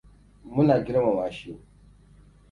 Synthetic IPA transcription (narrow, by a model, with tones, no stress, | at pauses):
mʊ˦na˨ɡʲɪ˦ɾma˨waː˨ʃi˦˨